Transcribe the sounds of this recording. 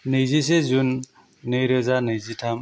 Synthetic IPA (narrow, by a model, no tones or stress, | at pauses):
nɯjzisezunː | ɯjɾɯzanɯjzitʰam